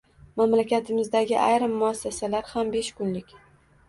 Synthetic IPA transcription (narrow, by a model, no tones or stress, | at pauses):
mamlakʲʰat̪ʰɪmɪzd̪aɡʲɪʔajɾɪmːʊasːasalaɾhambe̞ʃkʰʊnlɪkʲ